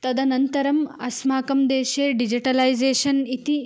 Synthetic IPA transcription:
t̪ɐd̪ɐnɐnt̪ɐɾɐmɐsmaːkɐmd̪eːʃeːɖid͡ʒiʈɐlɐjzeːʃɐnit̪i

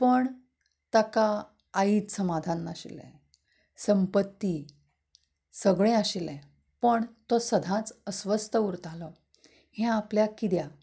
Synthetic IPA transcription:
pəɳ | t̪akaː | iːt͡ssəmad̪ʱanːaɕḭlɛ̰̃ | səmpət̪ːi | səɡɭẽaɕilɛ̃ | pəɳt̪osəd̪ʱãt͡səsʋəst̪əuɾt̪ʰalɔ | hɛ̃apljakid̪ja

